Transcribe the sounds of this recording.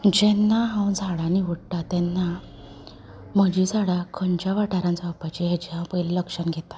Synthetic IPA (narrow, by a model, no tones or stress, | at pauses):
d͡ʑɛnːaɦãwd͡zʱaɽaniʋəɽʈ̪at̪ɛnːa | məd͡ʑid͡zʱaɽakʰəɳt͡ɕjaʋaʈʰaɾãnt͡saapat͡ɕiɦad͡ʑiɦãwpəjlləkʂənɡʱet̪ḁ